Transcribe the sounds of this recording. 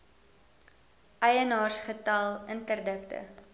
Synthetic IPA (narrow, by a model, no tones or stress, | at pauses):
ʔɐjənɑːrsχətɐlˠəntərdəktə̰